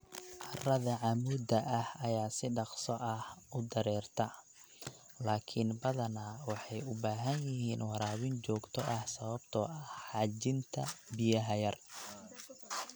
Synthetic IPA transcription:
ʔɑrɐðɐʕɑmuːd̪ɐʔɐhɐjaːsɪɖɑqsɔʔɐhʊd̪ɐɾɛːrt̪ʰɐ | laːkʰɪnbɐðɐnɐwɑħɑjʊbaːɦɐnjɪɦiːnwɑɾaːwɪnt͡ʃɔːɡt̪ʰɔʔɐhsɐβɐbt̪ʰɔːʔɐħɑːt͡ʃɪnt̪ʰɐbɪjɐɦɐjɐr

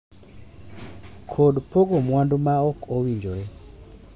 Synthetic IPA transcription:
kʰodpoɡomwandumaɔkowiɲd͡ʒoɾɛ

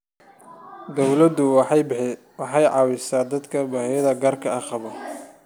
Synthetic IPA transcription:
d̪ɔwlɐd̪ʊ | wɑħɑjʕɑːwɪsaːd̪ɐd̪kʰɐbɐhɛjɐðɐɡɐːrkʰɐɑqɑβɐ

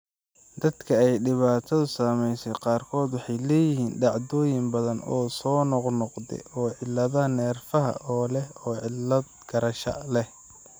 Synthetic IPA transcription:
d̪ɐd̪kʰɐɛjɖɪβaːt̪ʰɐðʊsaːmɛjsɛjqɑːrkʰɔːd̪wɑħɑjlɛːjɪɦiːnɖɑʕd̪ɔːjɪmbɐðɐnɔːsɔːnɔqnɔqd̪ɛ̰ʔɔːʕɪlːɐðɐnɛːrfɐɦɐ̰ʔɔːlɛɔːʕɪlːɐd̪̚ɡ̥ɐɾɐʃɐ̰lɛh

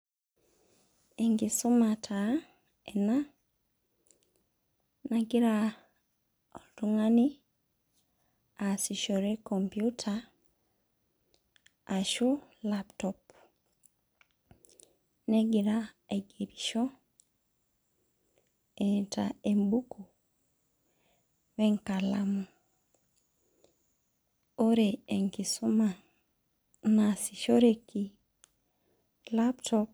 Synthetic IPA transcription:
eŋɡisomatʰa | ena | naɡiɾa | o̰ltuŋani | asiʃoɾekːompijutʰa | ʃulaptopu | nɛɡiɾaeɡeɾiʃɔ | ɛtʰaembuku | βɛŋkalamu | oɾɛeŋkisuma | nasiʃɔɾeki | laptʰɔp

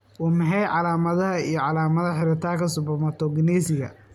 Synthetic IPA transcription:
ʔʊmɐɦɛjʕɑlaːmɐðɐɦɐijɞʕɑlaːmɐðɐħɪɾɪt̪ʰaːkʰɐsʊbɐmɐt̪ʰɔɡɪnɛːsɪɣɐ̰

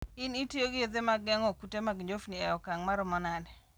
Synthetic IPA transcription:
ɪnitioɡɪod̪emaɡɛŋɔkutemaɡɲd͡ʒofniɛjɔkaŋmaɾʊmɔnanɛ

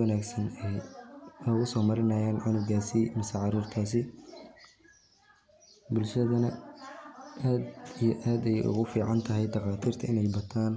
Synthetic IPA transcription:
wnaːɡsɐnɛjɐɣʊsɔːmɐɾɪnɐːjaːnʕanʊwɡaːsimɪsɐʕɑɾuːrt̪ʰaːs̬ɪ | bʊlʃɐðɐnɐ | ʔaːd̪ijɔʔaːd̪ɛjʔʊ̰ɣʊfiːʕɑnt̪ʰɐɦɛjd̪ɑqɑːt̪ʰiːrt̪ʰɐɪnɛjbɐt̪ʰaːn

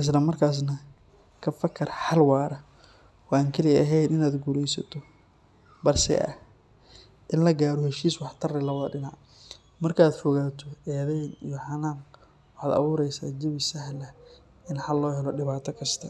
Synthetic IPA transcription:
ʔɪs̬lɐmɐrkʰaːs̬nɐ | kʰɐfɐkʰɐrħɑlwɑːɾɐ | wɑːŋkʰɐlɪɐɦɛjd̪ɪnaːd̪ɡuːlɛjsɐ̰t̪ʰɔ | bɐrsɛ̰ʔɐ̰h | ʔɪnlɐɡaːɾɔhɛʃiːswɑħt̪ʰɐrɛlɐβɐðɐɖɪnaʕ | mɐrkʰaːd̪fɔɣaːt̪ʰɔɛːðɛjnḭjɔħɑnaːm | wɑħɑːd̪ɐ̰βʊːɾɛjsa̰ːd͡ʒɪβɪsɐɦlɐ | ɪnħalːɔːɦɛlɔɖɪβaːt̪ʰɐkʰɐst̪ʰɐ

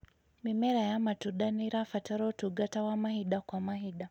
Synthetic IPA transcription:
mimɛɾajamatuɗaniɾafataɾɔtuɡatawamaɦiɗakwamaɦiɗa

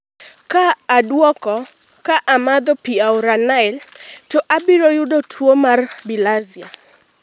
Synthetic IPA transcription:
kaːdwɔkɔ | kaʔamad̪ɔpiaoɾanaɛltoʔabiɾojʊdotʰwomarbilazia

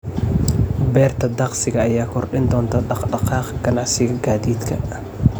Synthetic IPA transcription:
bɛːrt̪ʰɐd̪ɑqsɪɣɐːjaːkʰɔrɖɪnd̪ɔːnt̪ʰɐɖɑqɖɑqɑːqɡɐnɑʕsɪɣɐɡaːðiːd̪kʰɐ

